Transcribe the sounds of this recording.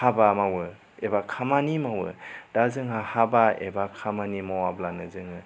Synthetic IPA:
habamawɯ | ebakʰamanimawɯ̰d̥azɯŋɦahabaḛbakʰamanimawablanɯzɯŋɯ

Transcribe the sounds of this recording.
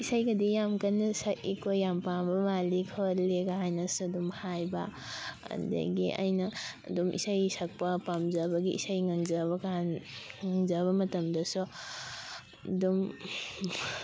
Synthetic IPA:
isajɡɐdijamkɐnɐsɐʔikojːampambɐmalikʰoɾleɡaɦajnɐsudumhajba | ɐ̰ndɐ̰ɡḭʔa̰jnɐdumʔḭsajsɐk̚pɐpamzɐbɐɡiḭsajŋɐŋzɐbɐkanŋɐŋzɐβɐmɐtɐmdɐsu | dum

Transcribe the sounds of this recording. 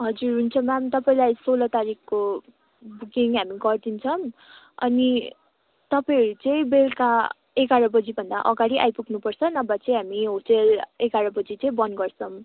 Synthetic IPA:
ɦʌd͡zurɦunt͡sʰʌmamt̪ʌpaĩlajsolʌt̪aɾikko | buɡiŋɦamiɡʌrd̪int͡sʰʌm | ʌ̰ni | t̪ʌpaĩʌɾut͡sʌĩbelka | ekaɾʌbʌd͡zibʱʌnd̪aʔʌɡaɽiʔa̰jpukʰnupʌrt͡sʰʌnʌbat͡sʌĩɦamiɦoʈelekaɾʌbʌd͡zit͡sʌĩbʌnɡʌrt͡sʰʌm

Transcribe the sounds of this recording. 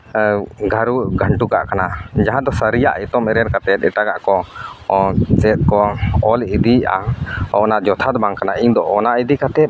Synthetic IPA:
ɡʱaɾuɡʱəɳʈukaʔkanad͡ʒaɦãd̪ɔsəɾija̰ʔɛt̪ɔmɛɾɛɾkat̪ɛt̪̚ˀɛʈaɡaʔkɔ | t͡ʃɛt̪̚ˀkɔɔlid̪ia̰ɔnad͡ʒɔt̪ʰad̪baŋkanaʔiɲd̪ɔʔːnaʔid̪ikat̪ɛp̚

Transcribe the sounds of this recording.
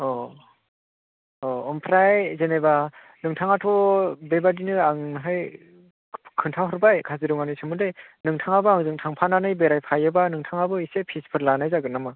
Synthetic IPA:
ɔ | ɔmpʰɾajzeneba | nɯŋtʰaŋatʰɔbebadinɯaŋɦaj | kʰɯntʰawɦɯɾbajkʰaziɾɯŋanɯsɯmɯdenɯŋtʰaŋabɯaŋzɯŋtʰaŋpʰananɯjbeɾajpʰajɯbanɯŋtʰaŋabɯisepʰispʰɯɾlanajzaɡɯnamɯ

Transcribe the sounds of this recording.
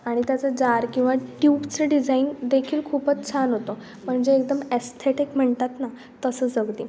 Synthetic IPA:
aɽ̃it̪jat͡səd͡zaɾkĩw̃ʋaʈjupt͡seɖid͡zaind̪ekʰiːlkʰuːpət͡st͡ɕʰanɦot̪o | m̤əɳd͡zeːkd̪əmest̪ʰeʈikm̤əɳt̪at̪na | t̪əsəːd͡zəɡd̪i

